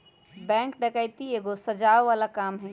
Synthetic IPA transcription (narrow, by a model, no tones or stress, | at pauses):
bɛ̃ːŋkɖɐkajt̪ieːɡosɐd͡ʒaːʋʋaːlakaːmɦɪ̃n